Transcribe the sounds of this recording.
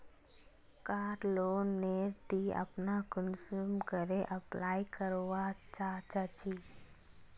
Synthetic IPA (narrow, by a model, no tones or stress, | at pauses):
kaːɾloːnːet̪iə̰pnakʊnsuːmkəɾeʔəplaːjkəɾoʋat͡ʃat͡ʃat͡ʃiː